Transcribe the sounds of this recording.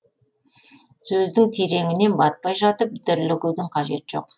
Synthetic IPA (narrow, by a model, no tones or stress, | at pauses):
sɵzd̪ɪŋt̪ʰeɾe̞ŋɪne̞nbɑt̪̚pɑjʒɑt̪əp̚d̪ɪɾlɪkʲɪwd̪ɪŋqʰɑʒe̞t̪ɪʒ̥o̞̰q̚